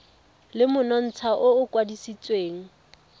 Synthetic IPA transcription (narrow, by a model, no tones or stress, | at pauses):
lɪmʊnɔn̩t͡sʰaʔʊʊkʼwadisit͡sʼweːŋ̩